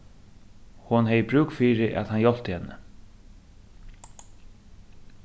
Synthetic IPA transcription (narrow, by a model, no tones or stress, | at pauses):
hʊnɦɛjbɾʉːkfiːɾɪʔa̰t̪hanjɔl̥t̪əhɛnːə̰